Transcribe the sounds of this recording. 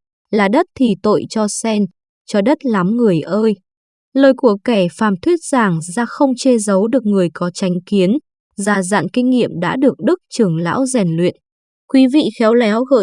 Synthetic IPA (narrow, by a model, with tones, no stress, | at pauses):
laː˨˩ɗə˦˥t̚t̪ʰi˨˩t̪o̰˧˨jt͡ɕɔ˧sɛ˧n | t͡ɕɔ˧ɗə˦˥t̚la˨˦mŋɨ˨˩əjʔəː˧j | ləː˨˩jku˧˩əkɛ˧˩faː˨˩mt̪ʰwi˦˥ət̚z̥aː˨˩ŋzaː˧xə˧wŋ͡mt͡ɕe˧zə˨˦wɗɨ˨˩ək̚ŋɨ˨˩əjkɔ˨˦t͡ɕa˨˦jŋ̟ki˨˦ən | zaː˨˩za̰ː˧˨nkï˧ŋ̟ŋḭ˧˨əmɗa̰ː˧˥ɗɨ˨˩ək̚ɗɨ˦˥k̚t͡ɕɨ˨˧˩əŋla̰ː˧˥wzɛ˨˩nlwḭ˧˨ən | kwi˨˦vḭ˧˨xɛ˨˦wlɛ˨˦wɣə̰ː˧˨